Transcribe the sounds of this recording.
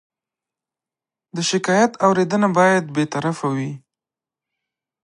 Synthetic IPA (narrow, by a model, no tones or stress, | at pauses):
d̪əʃɪkɑjat̪awɾed̪ənabɑjad̪bet̪aɾafawi